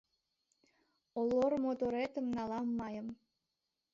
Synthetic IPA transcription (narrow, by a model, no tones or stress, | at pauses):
olormot̪oɾet̪ə̆mnɑlɑmːɑjə̆m